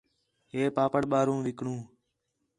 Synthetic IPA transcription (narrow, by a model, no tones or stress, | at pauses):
ɦeːpaːpəɳɓaːɾũːʋɪkɳũː